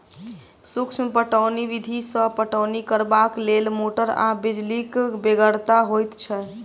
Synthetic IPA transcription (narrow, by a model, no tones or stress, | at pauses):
sukt͡ʃʰmpəʈəʊniʋid̪ʱisə̃pəʈəʊnikəɾbaklelmoʈəɾa̰bid͡ʒlikbeɡəɾt̪aɦojt̪t͡ʃʰɛ